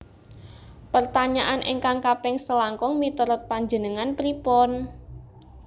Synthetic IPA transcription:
pərt̪aɲaʔanʔḛŋkaŋkapɛŋsəlaŋkɔŋmit̪əɾɔt̪̚paɲd͡ʒənəŋanpɾipɔn

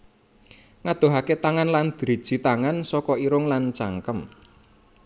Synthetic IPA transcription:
ŋad̪̥o̤ɦaket̪aŋanland̪̥iɾi̥ʒ̥i̤t̪aŋansɔkɔiɾʊŋlant͡ʃaŋkəm

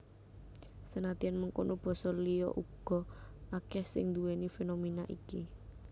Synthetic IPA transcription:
sənat̪ianməŋkonob̥ɔ̤sɔlijɔ̰ʔuɡ̥ɔ̤akɛhsɪŋnd̪uwenifenominaʔiki

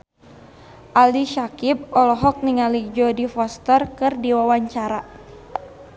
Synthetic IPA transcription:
ʔaliʃakip̚ɔlɔɦɔk̚niŋalid͡ʒɔdifɔst̪ərkɨrdiwawaɲt͡ʃaɾa

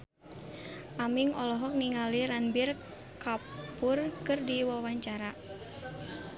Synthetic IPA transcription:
ʔamiŋɔlɔɦɔk̚niŋaliɾanbir | kapʊrkɨrdiwawaɲt͡ʃaɾa

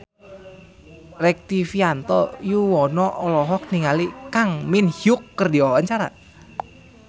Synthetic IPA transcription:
rɛk̚t̪ifiant̪ɔjuwɔnɔʔɔlɔɦɔk̚niŋalikaŋminhjʊkːərdiɔɦant͡ʃaɾa̰

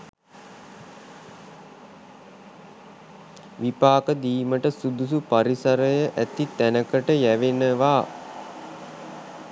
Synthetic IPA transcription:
ʋipaːkəd̪iːməʈəsud̪us̬upaɾisəɾəjəʔæt̪it̪ænəkəʈəjæʋenəʋaː

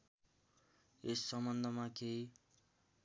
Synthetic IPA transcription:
esːʌmbʌnd̪ʱʌmakʰej

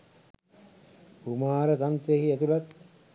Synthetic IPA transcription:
humaːɾət̪ant̪eɦiet̪ulat̪̚

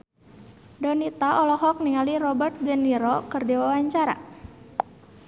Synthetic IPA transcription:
dɔnit̪aʔɔlɔɦɔk̚niŋalirɔbərt̪̚d͡ʒəniɾɔkərdiwawaɲt͡ʃaɾa̰

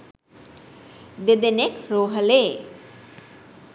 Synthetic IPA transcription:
d̪ed̪enekɾoːɦəleː

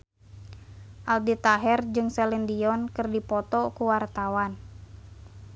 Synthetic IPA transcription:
ʔaldit̪aɦɛrd͡ʒɨŋsɛlɛndiɔnkɨrdipɔt̪ɔkuwart̪awan

